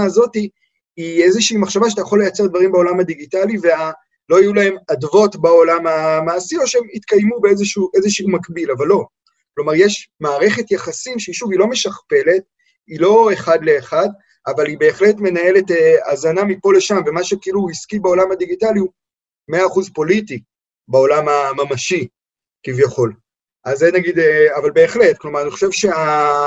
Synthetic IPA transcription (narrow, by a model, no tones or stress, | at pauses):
azo̞ti | iezeʃiːmaχʃavaʃetajaχo̞lejat͡se̞ʁd̪vaʁimbeo̞lamhad̪iɡitalivea | lo̞ajulae̞madvo̞tbao̞lamamaːsio̞ʃeemit̪kajmubeezeʃuʔe̞zeʃiumakbilavalːo̞ | klo̞maʁjeʃmaːʁe̞χe̞t̪jaχasimʃeiʃuvilo̞me̞ʃaχpe̞le̞t̚ | ilo̞eχadle̞ːχad | avalibeːχletme̞nae̞le̞teazanamipo̞le̞ʃamve̞maʃekeiluiskibao̞lamhad̪iɡitaliu | me̞aːχuzpo̞liti | bao̞lamamamaʃi | kivjaχo̞l | ʔazenaɡid̪avalbe̞ːχle̞t̚klomaʁaniχoʃe̞vʃe̞a